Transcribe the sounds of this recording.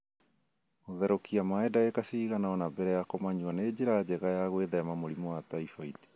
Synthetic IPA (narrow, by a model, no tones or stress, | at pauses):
oðɛɾokiamaɛdaekasiːɣanaɔnabɛɾɛjakomaɲuaneːd͡ʑeɾad͡ʑɛɣajaɣweðɛmamoɾimoat̪aifaidi